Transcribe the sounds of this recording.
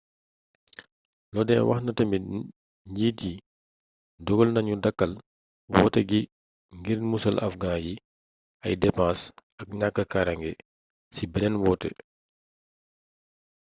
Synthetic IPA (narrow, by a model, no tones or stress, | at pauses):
lɔdɛnwʔɐ̰xnɐtɐmbi | ɲiːti | dɔɡɔlnɐɲudɐkːɐl | wɔ̰ːtɛɡi | ŋɡiɾnmusɐlʔɐ̰fɡaːji | ɐjdɛpãːsɐk̚ɲakːəkaɾɐŋɡɛ | sibɛnɛnwɔːtɛ̰